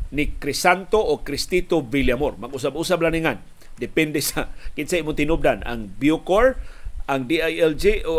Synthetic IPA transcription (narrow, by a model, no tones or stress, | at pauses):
nɪkɾɪsant̪oʔokɾɪst̪it̪oviljamoɾmaɡʊs̬abusablaniŋan | d̪ɪpɛndesakɪt̪saʔiːmʊnt̪ɪnub̚dana̰ŋbjukoɹʔaŋdiajɛld͡ʒiʔo